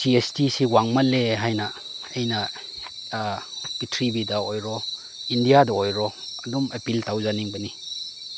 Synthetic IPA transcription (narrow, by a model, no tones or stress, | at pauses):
siestisiwaŋmalːeɦajnɐ | ejnɐ | pitʰɾibidɐojɾɔ | indijadɐojɾɔɐdumepiltawzaniŋbɐni